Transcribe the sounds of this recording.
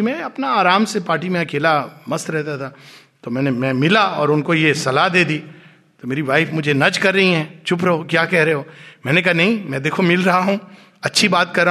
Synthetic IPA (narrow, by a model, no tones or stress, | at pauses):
imɛ̃ɐpnaaːɾaːmsepaːɾʈimẽɐkeːlamɐst̪ɾɛɦt̪at̪ʰa | t̪omɛ̃ːnemɛ̃ːmɪlaɔːɾʊnkojesɐlad̪eːd̪iː | t̪omeːɾiʋaːɪfmʊd͡ʒʱenɐd͡ʒkɐɾːɐɦiɦɛ̃ːt͡ʃʰʊp̬ɾɐokjaːkɛɦɾɐɦeɦoːmɛ̃ːnek̬ɐɦanɐɦĩmɛ̃d̪eːkʰomɪlɾɐɦaɦũː | ɐtːʃʰibaːt̪̚kɐɾːa